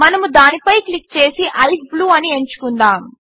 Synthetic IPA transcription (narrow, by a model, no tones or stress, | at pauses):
mɐnɐmud̪aːnipɐjklikːt͡ʃe̞ːsiʔɐjpbluːɐnie̞ɲt͡ʃu̥kund̪aːm